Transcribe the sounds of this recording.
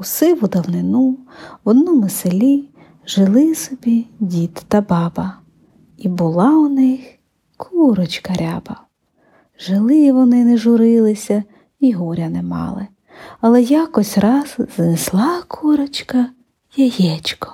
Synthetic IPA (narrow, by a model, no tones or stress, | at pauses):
usɪʋʊd̪ɐwnɪnuwɔd̪nɔmʊselʲi | ʒ̥ɪlˠɪsɔbʲidʲit̪ːɐbɑbɐ | ibʊlˠɑʊnɪx | kʰuɾɔt͡ʃkɐɾʲa̰bɐ | ʒɪlˠɪʋɔnɪnɛʒʊɾɪlˠɪsʲɐ | iɦɔɾʲɐnɛmɑ̰lˠɪ | ɐlˠɛjɑkɔsʲrɑsz̥nɪslˠɑkʰuɾɔt͡ʃkɐ | jɐjɛt͡ʃkɔ̥